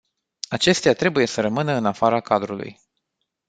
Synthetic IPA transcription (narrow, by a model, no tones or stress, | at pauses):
at͡ʃe̞st̪eat̪ɾe̞buje̞səɾəmɨnəɨnafaɾakad̪ɾulṵj